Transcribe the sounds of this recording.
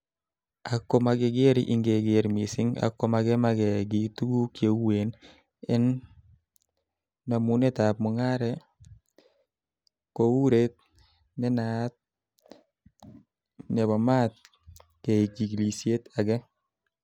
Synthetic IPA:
akːɔ˦ma˨ɡeɡe˦ɾiʔɪŋɡe˨ɡeɾmi˨sɪ˦ŋa̰kːɔ˨maɡɛ˦maɡɛɡi˨t̪u˦ɡu˦kje˨wwe˨n | ɛ˦n | ma˨mu˦ne˦ta˨p̚mɔ˨ŋa˦ɾɛ | kowu˦ɾet̪̚ | nɛ˦na˨t̪̚ | nɛ˨ba˨ma˦t̪̚ | ke˨iki˨ɡli˨sje˦t̪a˨ɡɛ˦

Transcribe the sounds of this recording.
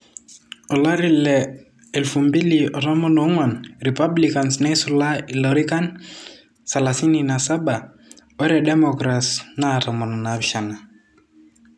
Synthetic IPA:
ɔ˨la˦ɾilɛ | ɛ˨lfumbi˦liɔ˨ɾa˦mɔ˦no˨˦ŋwa˨nɾipa˦blikansnɛ˦sɔlalɔɾika˦n | salasininasa˦ba˨ | ɔ˦ɾɛdɛ˦mɔkɾasna˦ɾa˨mɔ˨nɔnabʃa˨na˨

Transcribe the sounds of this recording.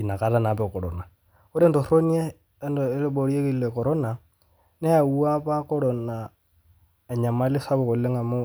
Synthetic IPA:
i˨na˨ka˨˦ɾa˦na˨pɛ˦˨kɔ˨ɾɔ̰˨na˨ | o˦ɾɛ˦ndɔ˨ɾo˦niɛː˦ | ndɔ˨ɪ˦lɪ˦ɓɔ˨ɾi˦e˦ki˦lɛ˨kɔ˨ɾɔ˦na˨ | nɛ˦ja˨u˦a˦pa˦kɔ˦ɺɔ˨na˨ | ɛ˨ɲa˨ma˦lɪ˦sa˦βɔ˨kɔ˨le˦ŋa˨mo˦

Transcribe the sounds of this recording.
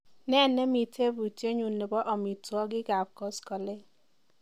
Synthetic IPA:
nɛ˦˨nːɛ˦mi˨tʰe˦bu˨te˦ɲu˨nːe˨bɔ˦ʔɔ˨mi˨twɔ˦ɡɪ˦ɡa˨p̚kɔ˦skɔ˨le˦

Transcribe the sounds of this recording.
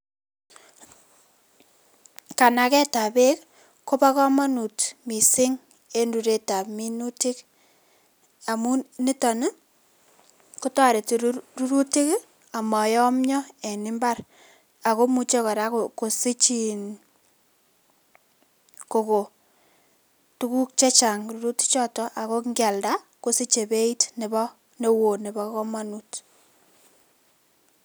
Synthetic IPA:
ka˨na˨kɛ˦ta˨be˦k | kːo˦pa˦kɔ˦ma˦nu˨tmi˨sɪ˦ŋ | e˦ndu˨ɾe˦ta˨pmi˦nu˦tɪ˦k | a˨mu˦ni˦tɔ˨ne˦ | ku˦tɔ˦ɾe˨tru˦ɾu˦ti˦k | a˨ma˨jɔ˦mɲɔ˦e˨nɪ˦mba˦r | a˨ko˦mu˨t͡ʃe˦kɔ˨ɾa˦ko˨ko˨si˦t͡ʃi˨n | ko˨ko˨ | tu˦ku˦k̚t͡ʃe˦t͡ʃa˨ŋɾu˦ɾu˦ti̥˦t͡ʃɔ˦tɔ˨ʔa˨ko˦kŋɡa˨lda˦ | ko˦si˦t͡ʃe˨be˦i˦tne˨bɔ˦ | ne˦wo˨ne˨bɔ˦kɔ˦ma˦nut

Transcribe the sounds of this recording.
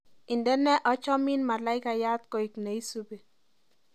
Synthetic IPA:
ɪ˨ndɛ˦nɛ˦ʔɔ˦t͡ʃɔ˦mi˦nma˨la˦ɪ˦ka˨ja˦t̪̚ko˨ɪ˨kne˨i˦su˦be˨

